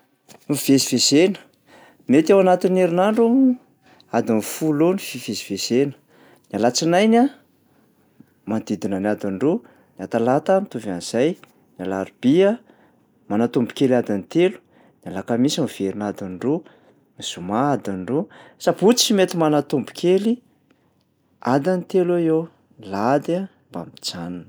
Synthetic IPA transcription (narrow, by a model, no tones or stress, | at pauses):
miv̥ezivezenə̥ | met̪awanat̪ineɾinaɳɖ͡ʐu | ad̪inifulonififezi̥vezenə̥ | nalat͡sinajna | mand̪id̪inanad̪aɳɖ͡ʐo | nat̪alat̪anit̪uvaniz̥aj | nalaɾib̥iə | manat̪umbu̥kelad̪anit̪elu̥ | nalakamisamiv̥eɾinad̪anɖ͡ʐu | miz̥umaad̪anɖ͡ʐusaput͡si̥t͡simet̪imanat̪umbu̥kʰeli | ad̪anit̪elajew | lad̪a | mba̰mit͡sanan